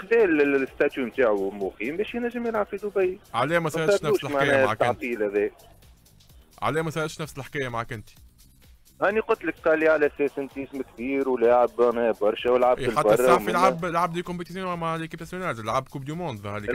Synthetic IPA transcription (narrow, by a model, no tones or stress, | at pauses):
xd̪ɛːlst̪at̪jumt̪aːʕumʊqiːmbɛːʃjnæʒːəmjɪlʕab̥fid̪ʊbæjːʕalɛːmɛsɑɾt̪ɑʃnæuːʃlmaʕɛːnɛːaʕat̪ːɑæʕnt̪ˤiːlhæðɛː | ʕa̰lɛːmɛsɑɾˤɑt̪ʃnæfsəlħkɛːjæmaʕkɪnt̪i̥ | ʔæniqʊt̪ləkqɑlːiʕalæsɛːsɪnt̪ismkbiːɾwlaːʕəbænɛːbɑɾˤʃɛwəlʕabħlatbɑrˤːfilʕablʕabd̪ikʊmpt̪is̬junmaʕlikib̚t̪asjonæzlʕabkʊbd̪umond̪aæli